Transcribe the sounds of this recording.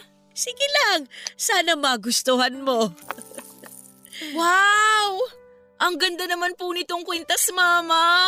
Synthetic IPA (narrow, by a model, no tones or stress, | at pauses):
siɡɪlaŋsaːnɐmɐɡʊst̪ʊhanmo̞ | waw | ʔɐŋɡɐnd̪anɐmanpʊnɪt̪o̞ŋkwɛnt̪ɐsmaːmɐ